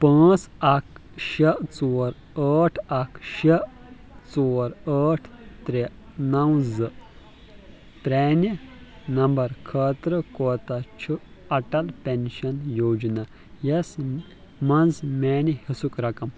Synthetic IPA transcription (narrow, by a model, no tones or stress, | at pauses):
pə̃ːt͡sɐkʃɐʔt͡soːɾ | əːʈʰɐkʰʃe | t͡soːɾəːʈʰ | t̪ɾe | nɐwzɨ | pɾeːninɐmbɐɾkʰət̪ɾɨkot̪at͡ʃʰuɐʈɐlpʲenɕɐnjoːd͡ʒnɐ | jes | mɐnd͡zmenihisukɾɐkɐm